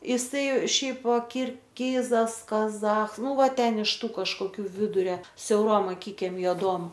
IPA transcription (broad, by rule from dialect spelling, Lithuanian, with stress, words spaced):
ɪˈsɐɪ ˈʃʲɛɪp kʲɪrʲˈxʲɪzɐs kɐˈzɐx ˈnʊ ˈʋɐ ˈtʲɛn ɪʃ ˈtuː kɐʃkoːˈkʲuː ˈʋʲɪdʊrʲɛ sʲɛʊˈroːm ɐˈkʲɪkʲɛm joːˈduɔm